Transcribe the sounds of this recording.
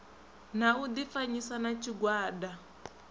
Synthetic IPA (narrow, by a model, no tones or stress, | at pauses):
naud̪ifaɲisanat͡ʃʰiɡwaːda